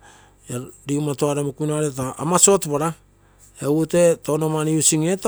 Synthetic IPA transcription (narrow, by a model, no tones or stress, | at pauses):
eɾiumatoaɾamukunaɾetaa̰maso̞tpaɾa | eute̞tonomaniusiŋet